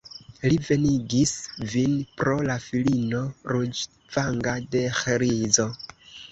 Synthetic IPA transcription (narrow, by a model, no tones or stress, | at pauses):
live̞niɡisvinpɾo̞lafilino̞ɾud͡ʒ | vaŋɡade̞xɾizo̞